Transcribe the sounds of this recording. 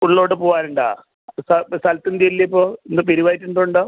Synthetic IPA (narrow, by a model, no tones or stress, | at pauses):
uɭːo̞ːɽɨpoːʋaːnuɳɖa̰ | sɐsɐlt̪ːɨnd̪iɐilːɐipːoːend̪ɨpeɾiʋaːjtːuɳɖoɳɖo